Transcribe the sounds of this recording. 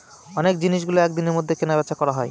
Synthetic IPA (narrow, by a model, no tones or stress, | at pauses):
ɔnek̚d͡ʑiniʃɡuloɛk̚d̪ineɾmod̪ʱːekenabɛt̪ːʃʰakɔɾaɦɔe